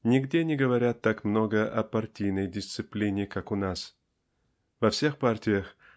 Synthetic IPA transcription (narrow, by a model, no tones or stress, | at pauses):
nʲɪɡdʲenʲɪɡəvɐɾʲat̪ːakmno̞ɡəʔɐpɐrtʲijnəjdʲɪst̪sɨplʲinʲɪkakʊnas | vɐfsʲe̞xpartʲɪjəx